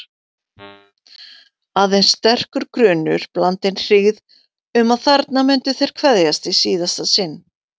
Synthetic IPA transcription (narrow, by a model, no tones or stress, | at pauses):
aðejnst̪ɛr̥kʏɾkɾʏːnʏɾ̥plant̪ɪnr̥iɣð | ʏmaðθaɾt̪namʏnt̪ʏθejɾ̥kʰvɛðjast̪isiːðast̪asɪnː